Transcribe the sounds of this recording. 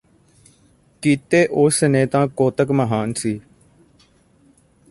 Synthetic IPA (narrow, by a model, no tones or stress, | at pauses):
kiːt̪eːʔoːsənẽːt̪ãːkoːt̪əkməɦaːnsiː